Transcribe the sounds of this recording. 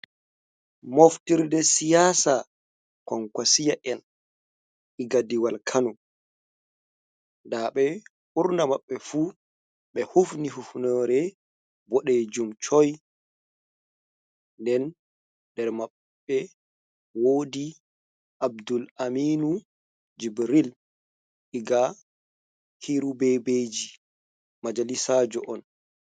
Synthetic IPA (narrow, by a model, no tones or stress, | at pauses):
moftiɾdɛsijaːsa | kɔŋkwasijaʔɛn | ʔiɡadiwalkʰanu | ndaɓɛ | uɾnamaɓːɛfuː | ɓɛhufnihufnɔːɾɛ | bɔɗeːd͡ʒumt͡ʃɔj | ndɛn | dɛɾmaɓː | ɛ | woːdi | ʔab̚dulamiːnu | d͡ʒibɾil | ʔiɡa | hiɾubɛbeːd͡ʒi | mad͡ʒalisaːd͡ʒɔ̰ʔɔn